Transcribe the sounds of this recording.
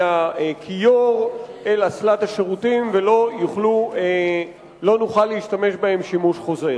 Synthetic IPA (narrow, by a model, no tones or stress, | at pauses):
aekʰijoʁelaslat̪haʃeʁut̪imvelo̞juχlue | lo̞nuχalːeiʃtame̞ʃbae̞mʃimuʃχo̞ze